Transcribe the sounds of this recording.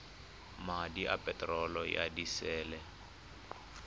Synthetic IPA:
madiʔapʼɛtʼrɔlɔja̰disɛːlɛ

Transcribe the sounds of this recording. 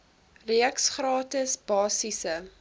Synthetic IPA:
riəksχrɑːtəsbɑːsisə

